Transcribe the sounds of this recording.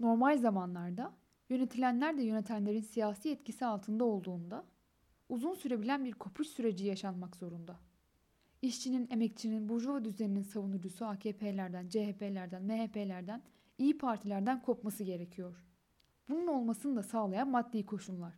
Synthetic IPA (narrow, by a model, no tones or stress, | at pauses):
no̞ɾmalʲzamanlˠaɾd̪a | jø̞ne̞t̪ʰilʲænlʲæɾd̪ɛjø̞ne̞t̪ʰænlʲe̞ɾinsijaːsiːɛt̪cʰisialˠt̪ʰɯnd̪ao̞lˠd̪uːnd̪a | uzunsyɾe̞bilʲænbiɾkʰo̞pʰuʃsyɾe̞d͡ʒijaʃanmakz̥o̞ɾund̪a | iʃt͡ʃʰinine̞mɛc̚t͡ʃʰininbuʒovad̪yzenininsavunuɾd͡ʒusuaːcʰeːpʰe̞ːlʲæɾd̪ænd͡ʒeɦepʰe̞lʲæɾd̪ænmeɦepʰe̞lʲæɾd̪æn | ijipʰaɾt̪ʰilʲæɾd̪ænkʰo̞pmasɯɟe̞ɾe̞cʰijo̞ɾ̥ | b̥ununo̞lˠmasɯnɯd̪asaːlˠajanmad̪ːʲijikʰo̞ʃunlˠaɾ̥